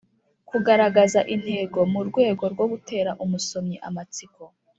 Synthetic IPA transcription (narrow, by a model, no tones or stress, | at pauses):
kuɡaɾaɡazaʔin̥he̞ːɡo̞muɾɡwe̞ːɡo̞ɾɡwo̞ɡute̞ːɾaʔumuso̞mɲiʔa̰mat͡siko̞